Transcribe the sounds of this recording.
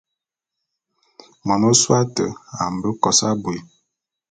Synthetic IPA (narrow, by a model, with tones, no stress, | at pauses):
mɔ˨no˦swa˦tə˨a˨m̩˨bə˦kɔ˨sa˦bo˨